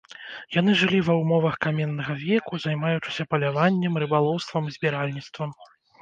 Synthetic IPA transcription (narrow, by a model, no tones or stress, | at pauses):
jan̪ɨʐɨlʲivɐwmɔvɐxkamʲɛnːɐɣɐvʲɛkuzajmajut͡ʂɨ̥sʲɐpɐlʲavanʲːɛmrɨbalˠɔwst̪vɐmzʲbʲiɾalʲnʲit̪st̪vɐm